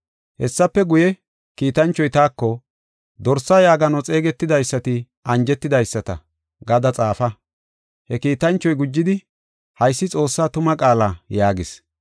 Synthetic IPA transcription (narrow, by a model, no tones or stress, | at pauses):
hɛsːɐpːɛɡʊjɛ | kiːt̪ɐnt͡ʃːɔjt̪aːkːɔ | d̪ɔɾsːɐjaːɡɐnɔt͡sʼe̞ːɡɛt̪ːɪd̪ɐjsːɐt̪ɪ | ʔɐnd͡ʒɛt̪ːɪd̪ɐjsːɐt̪ɐ̰ | ɡɐd̪ɐt͡sʼaːfɐ | hɛkiːt̪ɐnt͡ʃːɔjɡʊd͡ʒːɪd̪ɪ | hɐjsːɪt͡sʼo̞ːsːaːt̪ʊmɐkʼaːlaːjaːɡɪs